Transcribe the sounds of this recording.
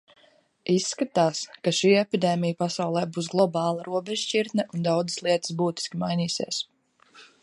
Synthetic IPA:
isːkat̪aːskaʃiːɛpid̪eːmijupasawlˠɛːbuːsɡlˠɔbɑːlˠaɾuɔbɛʒʃt͡ʃiɾt̪nɛʔund̪awd̪zɨslˠiɛt̪ɨ̥sbuːt̪i̥skʲimajniːsḭɛs

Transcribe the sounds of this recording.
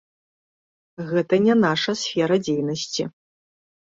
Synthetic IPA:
ɣɛt̪ɐnʲɛnaʂɐsfʲɛɾɐd͡zʲejnɐsʲt͡sʰʲi

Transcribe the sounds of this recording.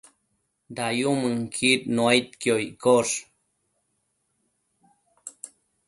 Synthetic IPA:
d̪ajumɨŋkʰit̪noajt̪̚kjojkoʂ

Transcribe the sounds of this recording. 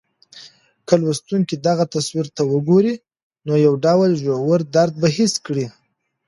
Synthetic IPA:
kʰəlwast̪uŋkid̪aɣat̪aswiɾt̪awəɡoɾi | nojawɖawlʒowaɾd̪aɾd̪̚baɦɪskɽi

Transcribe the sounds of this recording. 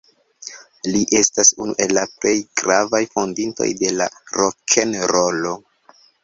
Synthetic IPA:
liʔe̞stasunṵʔe̞lːaple̞jɡ̥ɾavajfo̞ndinto̞̰jde̞laɾokʰenɾo̞lo̞

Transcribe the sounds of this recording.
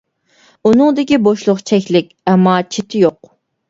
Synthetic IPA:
unɨŋd̪ɪkʲiboʃlˠʊqt͡ʃʰɛkʲlɪkʲɛmːɑt͡ʃʰit̪ʰɪjoq

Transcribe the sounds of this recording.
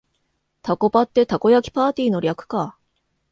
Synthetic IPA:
t̪ako̞bat̪ːe̞t̪ako̞jakʲi̥paːt̪ʲiːno̞ɾʲakɯ̟̥ka

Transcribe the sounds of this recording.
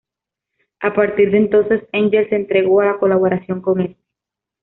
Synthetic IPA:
apaɾt̪iɾðent̪o̞nse̞seɲd͡ʒelseːnt̪ɾeɣo̞alako̞laβoɾasjo̞ŋko̞ŋest̪e̥

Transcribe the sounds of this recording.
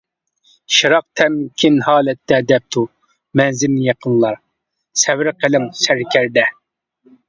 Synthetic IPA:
ʃɨɾɑq̚t̪ʰɛmkʲʰinhɑːlɛt̪ːɛd̪ɛp̚t̪ʰu | mɛnzɪlnɪjɑqʰənlˠɑɾ | sɛwɾɪqʰəlɪmsɛɾkʲʰæɾd̪ɛ

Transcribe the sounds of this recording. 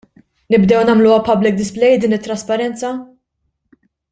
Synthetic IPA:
nɪbd̪ɛwnɐmluwɐpɐblɪk̚d̪ɪsplɛjd̪iːnɪt̪ːɾɐspɐɾɛnt͡sɐ

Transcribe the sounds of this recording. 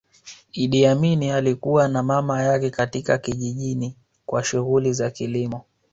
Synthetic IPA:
iɗiaminialikuwanamamajakɛkatikakiʄiʄini | kwaʃuɣulizakilimɔ

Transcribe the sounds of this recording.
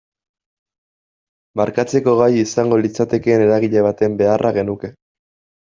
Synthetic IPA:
maɾkat͡se̞ko̞ɣ̞ajisaŋɡo̞lit͡sat̪e̞ke̞ːne̞ɾaɣiʎe̞β̞at̪e̞mbe̞arʔaɣe̞nuke̞

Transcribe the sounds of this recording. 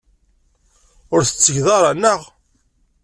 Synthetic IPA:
ʊɾθə̥t͡sːəʝðɑɾˤanːəʁ

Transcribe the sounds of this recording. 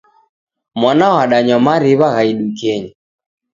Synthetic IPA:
mwanawaɗaɲɔmaɾiβaɣaiɗukɛɲi

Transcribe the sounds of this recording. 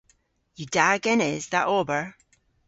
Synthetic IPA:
jɨdaɡɪ̃nɪzðəʔɔːbə˞

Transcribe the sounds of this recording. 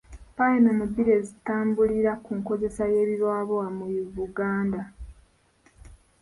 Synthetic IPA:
pajenomubːiɾe̞zitaːmbuliɾakuŋko̞ze̞saje̞ːβiɾwaːβoamuβuɡaːnda

